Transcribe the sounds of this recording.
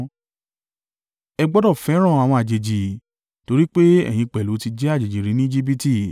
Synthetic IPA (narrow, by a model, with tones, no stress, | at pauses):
ɛ˧ɡ͡bɔ˦dɔ˦˨fɛ˨˦ɾ̃ã˦˨a˨w̃ɔ̃˧a˨d͡ʒe˨d͡ʒi˨ | to˧ɾi˦k͡pe˦ɛ̰˦˨j̃ĩ˧k͡pɛ˨lu˨˦ti˧d͡ʒɛ˦a˦˨d͡ʒe˨d͡ʒi˨ɾi˨nĩ˦i˦d͡ʒi˦bi˦ti˦˨